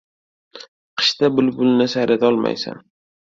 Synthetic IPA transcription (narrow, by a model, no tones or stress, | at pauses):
qʰɨ̥ʃt̪abʊlbʊlnɪsaɾad̪ɒlˠma̰jsa̰n